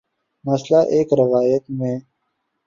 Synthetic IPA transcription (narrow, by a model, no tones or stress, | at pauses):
məslaʔeːkɾɪʋaːjət̪mẽː